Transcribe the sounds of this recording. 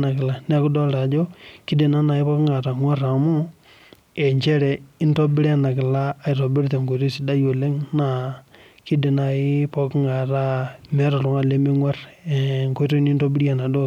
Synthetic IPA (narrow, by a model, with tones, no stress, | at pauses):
na˨kɪ˨la˨nɛ˨˦kʊ˦dɔ˦lɾa˨d͡ʒo˦kɪ˦de˨na˦na˨ɪ˦pɔ˦kŋa˨ɾa˨ŋwa˦ɾa˨mu˦ | e˨ɲt͡ʃɛ˦ɾɛ˨ɪ˦ntɔ˦bɪ˦ɾa˦˨na˨kɪ˨laː˦˨ɪ˨ɾo˨bɪ˦ɾte˨ŋko˨ɾe˦si˦da˦jo˨le˦ŋna˨ | kɪ˦de˨na˨ɪ˦pɔ˦kŋa˨ɾa˦mɛ˦ɾɔ˨ɾʊ˨ŋa˦˨le˦me˦ŋwa˦rŋko˦ɾɔ˦ni˦nto˦bɪ˦ɾa˨na˨dɔ˦˨